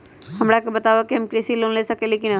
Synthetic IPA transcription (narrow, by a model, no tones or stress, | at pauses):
ɦɐmɾakobət̪aːʋakiɦəmkɾeːsiloːnlesəkẽleːkɪn